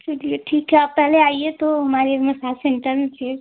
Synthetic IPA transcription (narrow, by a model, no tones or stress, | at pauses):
t͡ʃʊlieʈʰiːkɦɛaːpːɛɦleaːiet̪oɦɐmaːɾemɐsaːlsɛ̃ɳʈəɾmẽt͡ʃʰeː